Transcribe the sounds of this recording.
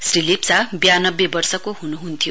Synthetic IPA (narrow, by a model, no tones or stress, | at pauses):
srilipsabjanʌbːjebʌrsʌkoɦunuɦunt̪ʰijo